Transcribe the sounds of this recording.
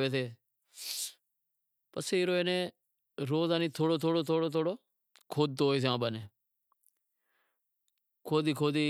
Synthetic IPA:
ʋeːt̪̬eː | pəseɪɾoːenẽː | ɾoːzaːniːt̪ʰoːɽoːt̪ʰoːɽoːt̪ʰoːɽoːt̪ʰoːɽoː | kʰoːd̪̚t̪oːeːs̬eãːɓəneː | kʰoːd̪iːkʰoːd̪iː

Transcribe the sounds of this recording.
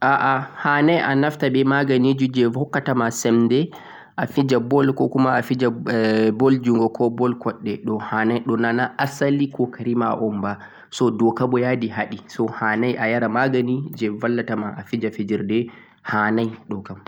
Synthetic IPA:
ʔaʔahanajʔa̰naftabɛmaɡanid͡ʒud͡ʒɛvɔkːatamasɛmdɛ | ʔafid͡ʒabɔlkɔkumaːfid͡ʒabɔld͡ʒuŋɡɔkʰɔbɔlkɔɗːɛɗɔhanajɗɔnanaʔasalikɔkʰaɾimaʔɔmba | sɔdɔkabɔjadiɦaɗisɔhanajʔajaɾamaɡanid͡ʒɛvalːatamaʔafid͡ʒafid͡ʒiɾdɛ | hanajɗɔkabɔ

